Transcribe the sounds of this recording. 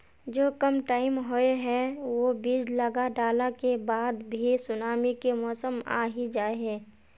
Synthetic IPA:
d͡ʒoːkəmʈaːɪmɦoeɦɛ̃ʋobiːd͡ʒləɡaɖaːlakebaːd̪bʱisʊnaːmikemɔːsəma̰ːɦid͡ʒaːeɦɛ̃ː

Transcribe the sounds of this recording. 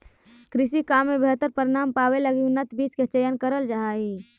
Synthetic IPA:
kɾisikamːebeɦət̪ːəɾpəɾɪnampaweləɡiunːət̪bʱisket͡ʃəjənkəɾəld͡ʒaɦai

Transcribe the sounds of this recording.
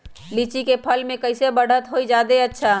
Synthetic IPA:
lit͡ʃikepʰəlmẽkəɪsebəɽ̤ət̪ɦoid͡ʒad̪eətːʃʰa

